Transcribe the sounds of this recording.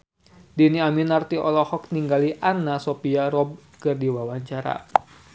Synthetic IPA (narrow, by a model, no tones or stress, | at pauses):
diniaminart̪iʔɔlɔhɔk̚niŋɡaliʔanːasopiaɾɔb̚kɨrdiwawaɲt͡ʃaɾa̰